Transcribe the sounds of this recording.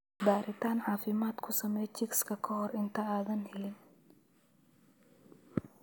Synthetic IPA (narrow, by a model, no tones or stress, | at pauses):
d̪aːɾʔɪt̪ʰaːnʕɑːfɪmaːd̪kʰʊsɐmɛːjt͡ʃɪkskʰɐkʰɐɦɔrɪnt̪ʰɐaːðɐnhɛlɪn